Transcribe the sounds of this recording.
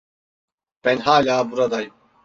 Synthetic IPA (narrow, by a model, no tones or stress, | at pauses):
b̥ɛnhaːlʲaːbuɾad̪ajm